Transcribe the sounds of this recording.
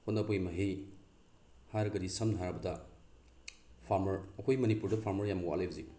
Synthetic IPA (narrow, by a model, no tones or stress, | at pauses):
hʰonɐbojmɐɦi | haɾɡɐɾisɐmnɦaɾɐbɐdɐ | pʰaɾmɐɾɐkʰojmɐnipuɾdɐpʰaɾmɐɾjamɡoʔa̰lejbzi